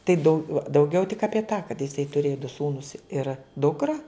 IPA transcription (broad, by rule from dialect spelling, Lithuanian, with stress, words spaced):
tɐɪ ˈdɐʊ dɐʊˈɡʲɛʊ tʲɪk ɐpʲiɛ tɑː kɐt jɪˈsɐɪ tʊˈrʲeːjɛ dʊ ˈsuːnʊs ɪr ˈdʊkrɐ